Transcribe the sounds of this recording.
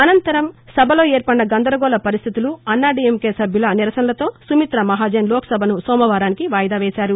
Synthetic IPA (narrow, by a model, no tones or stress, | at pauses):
ɐnɐnt̪ɐɾɐmsɐbʱɐlo̞ːɛːɾpɐɳnɐɡɐnd̪ɐɾɐɡɔːlɐpɐɾist̪ʰit̪uluɐnːaːɖiemkeːsɐbʱjulɐniɾɐsɐnɐlɐt̪o̞ːsumit̪ɾɐmɐɦaːd͡ʒeːnlɔːkʰɐ̥sɐbʱɐnusɔːmɐʋaːɾaːnikiʋaːjɐd̪aːʋɛːsaːɾu